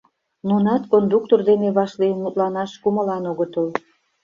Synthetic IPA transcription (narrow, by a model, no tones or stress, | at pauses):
nunɑt̪kond̪uk̚t̪ord̪eneβɑʃlinmut̪lɑnɑʃkuməlɑnoɣət̪əl